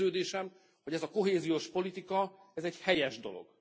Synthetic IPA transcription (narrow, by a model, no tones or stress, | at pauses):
øːd̪eːʃɛm | ho̞ɟɛzɒko̞ɦeːzijoʃpo̞lit̪ikɒ | ɛzɛɟhɛjɛʒd̪o̞̰lo̰ɡ̥